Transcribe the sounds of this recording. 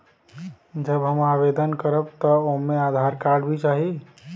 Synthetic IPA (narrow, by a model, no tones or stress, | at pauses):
d͡ʒəbɦəmabed̪ənkəɾəbt̪əomead̪ʱaɾkaɾɖbʱit͡ʃaɦi